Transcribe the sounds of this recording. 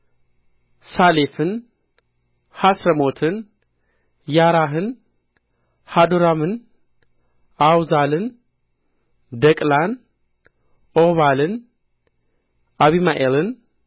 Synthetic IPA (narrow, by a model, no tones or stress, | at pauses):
salefɨn | hasɾəmot̪ʰɨn | jaɾaɦɨn | had̪oɾamɨn | awzalɨn | d̪əkʼlan | ʔoβalɨn | aβimaʔelɨn